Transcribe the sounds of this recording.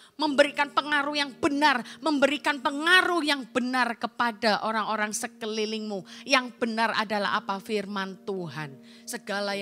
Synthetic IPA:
məmbəɾikanpəŋaɾujaŋb̥ənarməmbəɾikanpəŋaɾuhjaŋb̥ənarkəpadaʔoɾaŋoɾaŋsəkəlilɪŋmujaŋb̥ənara̰dala̰ɦa̰pafirmant̪uɦan | səɡala

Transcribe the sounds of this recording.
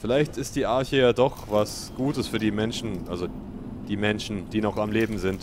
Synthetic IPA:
fɪlaɪçtɪstd̥iːʔaɐçəjaːdɔχvas | ɡ̥uːtəsfyːɐdiːmɛnʃn̩ʔalzo | d̥iːmɛnʃn̩d̥iːnɔχamleːbm̩zɪnt

